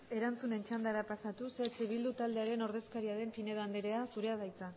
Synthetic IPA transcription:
e̞ɾant͡sune̞nt͡ʃand̪aɾapasat̪uset͡ʃeβild̪ut̪ald̪e̞aɾe̞no̞ɾð̞e̞skaɾiaɾe̞mpine̞ðand̪eɾe̞asuɾe̞aðajt͡sa

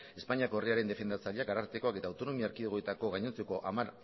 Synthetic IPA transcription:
e̞spaɲiakoriaɾe̞nd̪e̞fe̞nd̪at͡saʎiakɡaɾaɾt̪e̞ko̞ake̞t̪aːwt̪o̞no̞miaːɾkiðuɣoet̪ako̞ɣajɲent͡seko̞ʔamaɾ

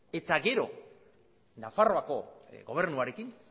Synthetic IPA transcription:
e̞t̪aɡe̞ɾo̞ | nafaro̞ako̞ɣo̞β̞e̞ɾnuaɾe̞kin

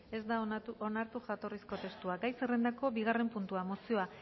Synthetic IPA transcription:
e̞zd̪ao̞naɾt̪uʝat̪o̞risko̞t̪e̞st̪uaɡajsere̞nd̪ako̞biɣ̞are̞mpunt̪uamosio̞a

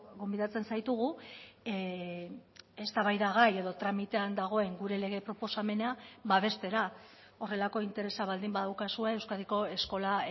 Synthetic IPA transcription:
ɡo̞mbiðat͡se̞nsajt̪uɣ̞u | est̪aβajðaɣaje̞ðo̞t̪ɾamit̪e̞and̪aɣ̞o̞e̞ŋɡuɾe̞le̞ɣ̞e̞pɾo̞po̞same̞neabaβ̞e̞st̪e̞ɾa | o̞re̞lako̞int̪e̞ɾe̞saβ̞ald̪imbaðawkasue̞ːwskaðiko̞e̞sko̞la

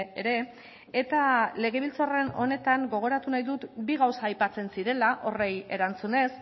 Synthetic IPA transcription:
eɾe̞ | et̪ale̞ɣ̞e̞β̞ilt͡sore̞no̞̰ne̞t̪aŋɡo̞ɣ̞o̞ɾat̪unajðut̪biɣawsaːjpat͡se̞nsiɾe̞laʔo̞re̞je̞ɾant͡sune̞s

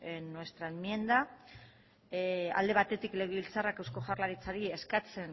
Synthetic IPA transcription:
nːwe̞st̪ɾaenmie̞nd̪a | a̰ld̪e̞βat̪e̞t̪ikle̞ɣ̞eβilt͡sarakewsko̞ʝarlaɾit͡saɾie̞skat͡se̞n

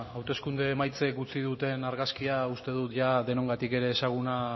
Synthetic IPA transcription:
awt̪e̞skund̪e̞ːmajt͡se̞k̚ɡut͡sið̞ut̪e̞naɾɣaskiaust̪e̞ð̞ut̪ʝaðe̞no̞ŋɡat̪ike̞ɾe̞ːsaɣ̞una

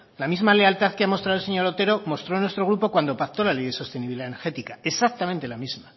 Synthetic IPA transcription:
lamizmale̞alt̪aθkeamo̞st̪ɾaðlse̞ɲo̞ɾot̪e̞ɾo̞mo̞st̪ɾo̞nwe̞st̪ɾo̞ɣ̞ɾupo̞kwand̪o̞pak̚t̪o̞lalejðe̞so̞st̪eniβiliðaeneɾxet̪ikae̞sak̚t̪ament̪e̞lamizma

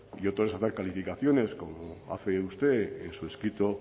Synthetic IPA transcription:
iot̪oesaθeɾkalifikaθjo̞ne̞sko̞moa̰feust̪e̞ensue̞skɾit̪o

